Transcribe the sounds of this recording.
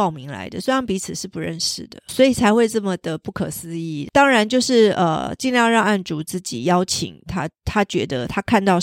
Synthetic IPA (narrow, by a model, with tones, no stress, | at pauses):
ɑ˥˩ʊmi˧˥ŋla̰˧˥ɪd̪ə̰˨swɪɑ˥ŋpi˧˥t͡sʰɹ̩˨˩ʂɻ̩˥˩pu˧˦ɻə˥˧nʂɻ̩˥˩d̪ə̰˩swɔ˧˥i˨˩t͡sʰa˧ɪxwe˥˧ɪʈ͡ʂə˥˩mə˨d̪̥ə˩pu˥˩kʰɤ˨˩sɹ̩˧˥i˥˩t̪ɑ˥ŋɻa˧˦nt͡ɕjo˥˧ʊʂɻ̩˥˩ə̰˧t͡ɕi˥˧nljɑ˥˧ɻɑ˥˧ŋa˥˩nʈ͡ʂu˨˧˥t͡sɹ̩˥˩t͡ɕḭ˨˩jɑ˥ʊt͡ɕʰḭ˨˩ŋt̪ʰa˥t̪ʰa˥t͡ɕɥɛ̰˧˥d̪ə˧t̪ʰa˥kʰa˥˧nt̪ɑ˥˩ʊ